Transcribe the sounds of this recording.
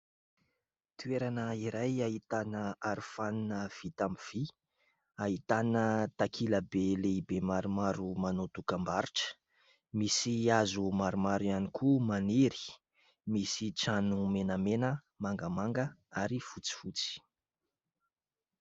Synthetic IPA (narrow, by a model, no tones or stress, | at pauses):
t̪ueɾanəiɾajaɦit̪anəaɾufaninəv̥it̪amiv̥i | aɦit̪anət̪akʰiləbeleibemaɾumaɾumanot̪ukambaɾiʈ͡ʂə̥ | misiazumaɾumaɾianikʰumaniɾi̥ | misiʈ͡ʂanumenəmenə | maŋɡəmaŋɡəaɾifut͡si̥fut͡si̥